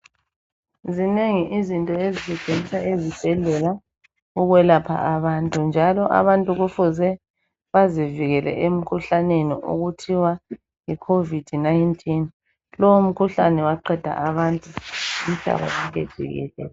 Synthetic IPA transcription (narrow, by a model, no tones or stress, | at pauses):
zineŋiʔizintʼɔeziziɡ̥ʱenisaezib̥ʱɛɮɛla | uɣwɛlapʰa̰ʔaβantʼund͡ʒʱalɔʔa̰βantʼuɣufuzɛ | βaziviɣɛlɛ̰ʔem̩kʰuɬanenḭʔṵɣutʰiwa | ŋikʰovid̥ʱnajntʰʼin | lɔwum̩kʰuɬanɛwaǃɛd̥ʱa̰ʔaβantʼuim̩ɬa̰βa̰zaɣɛ̰d̥ʒ̥ʱḭɣɛ̰ːlɛ̰ːlɛ